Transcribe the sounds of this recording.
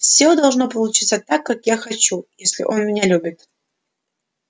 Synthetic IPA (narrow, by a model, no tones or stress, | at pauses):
fsʲod̪ɐlˠʐno̞pəlˠʊt͡ɕit̪sət̪akːakjaxɐt͡ɕujesʲlʲɪ̰ʔo̞nmʲɪnʲalʲubʲɪt̪